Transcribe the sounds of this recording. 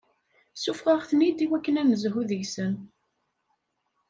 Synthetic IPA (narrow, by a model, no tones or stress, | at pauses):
sufʁəʁθənid̪iwækːənæməzɦuðəʝsən